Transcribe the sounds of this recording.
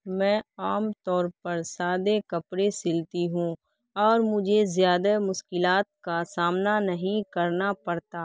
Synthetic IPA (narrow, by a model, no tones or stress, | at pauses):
mɛ̃ːaːmt̪ɔːɾpɐɾsaːd̪ekɐpɾesɪlt̪iɦũ | ɔːɾmʊd͡ʒʱezjaːd̪amʊʃkɪlaːt̪̚kasaːmnanɐɦĩkɐɾnapɐɾt̪aː